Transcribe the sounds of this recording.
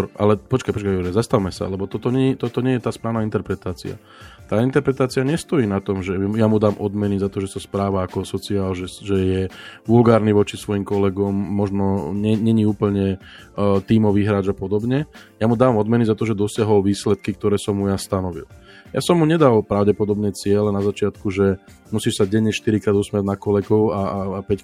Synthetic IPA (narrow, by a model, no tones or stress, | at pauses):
ɾʔa̰lɛpɔt͡ʃkajpɔt͡ʃkajuɾɛzast̪aʋmɛsa̰lɛbɔt̪ɔt̪ɔɲɛt̪ɔt̪ɔɲɛjɛt̪aːspɾaːʊnaint̪ɛɾpɾɛt̪aːt͡sḭa̰ | t̪aːint̪ɛɾpɾɛt̪aːt͡siaɲɛst̪ɔjiːnat̪ɔmʒɛjamud̪aːmʔɔd̪mɛnizat̪ɔʒɛsaspɾaːʋaːkɔsɔt͡siaːlʒɛʒɛjɛʋulɡaːɾniʋɔt͡ʃisʋɔjimkɔlɛɡɔmːɔʒnɔɲɛɲɛɲiuːpl̩ɲɛ | t̪iːmɔʋiːɦɾaːd͡ʒapɔd̪ɔbɲɛ | jamud̪aːʋamɔd̪mɛnizat̪ɔʒɛd̪ɔsɪaɦɔlʋiːslɛt̪̚kik̚t̪ɔɾɛːsɔmːujast̪anɔʋḭl | ja̰sɔmːuɲɛd̪alpɾaʊɟɛpɔd̪ɔbnɛːt͡sɪɛlɛnazat͡ʃɪat̪kuʒɛ | musiːʃsaɟɛɲːɛʃt̪iɾikɾaːd̪usmɪaɟnakɔlɛɡɔʊapɛc